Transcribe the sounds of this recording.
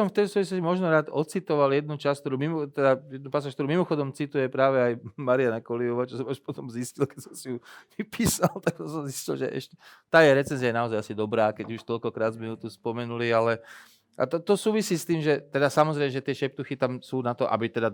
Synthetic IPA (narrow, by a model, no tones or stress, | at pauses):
ɔmft̪ɛjd̪ɔsɔʋis̬lɔscimɔʒnɔɾaːt̪ɔt͡sit̪ɔʋaljɛd̪̚nut͡ʃask̚t̪ɔɾuːmimɔt̪ɛd̪ajɛd̪nupasaːʃkt̪ɔɾumimɔxɔd̪ɔmt͡sit̪ujɛpɾaːʋɛajmaɾianakɔlijɔʋaːt͡ʃɔsɔmaʃpɔt̪ɔmziscilkɛsɔmsijuʋipiːsalt̪aɡ̚asɔmziscilʒɛ̰ʔɛ̰ʃcɛt̪aːjɛɾɛt͡sɛnzijajɛnaɔzajasid̪ɔbɾaːkɛɟuʃt̪ɔlkɔkɾaːd̪zmɛut̪uspɔmɛnulialɛ | a̰t̪ɔt̪ɔsuːʋisiːst̪iːmʒɛt̪ɛd̪asamɔzɾɛjmɛʒɛt̪ɪɛʃɛp̚t̪uxit̪amsuːnat̪ɔʔa̰bit̪ɛd̪a